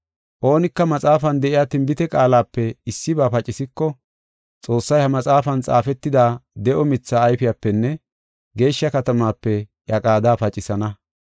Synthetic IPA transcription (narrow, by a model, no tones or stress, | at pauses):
ʔo̞ːnɪkːɐmɐt͡sʼaːfɐnd̪ɛʔɪjaːt̪ɪmbɪt̪ɛkʼaːlaːpːɛɪsːɪbaːpɐt͡ʃʼɪsɪkːɔ | t͡sʼo̞ːsːɐjhɐmɐt͡sʼaːfɐnt͡sʼa̰ːfɛt̪ːɪd̪aːd̪ɛʔɔmɪt͡sːaːjfɪjaːpːɛnːɛ | ɡe̞ːʃːɐkɐt̪ɐmaːpːɛjɐkʼaːd̪aːfɐt͡ʃʼɪsɐnɐ